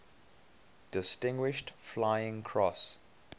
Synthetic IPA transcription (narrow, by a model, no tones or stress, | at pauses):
d̥ɪstɪ̃ŋɡwɪʃtflaɪɪ̃ŋkʰɹɔs